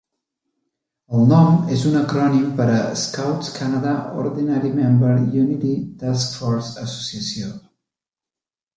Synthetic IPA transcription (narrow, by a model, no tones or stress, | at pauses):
əlˠnɔmezunəkɾɔnimpəɾəskawt̪skʰanaðao̰ɾðinaɾimɛ̃mbəɾjunit̪it̪askfɔɾzəso̥siəsio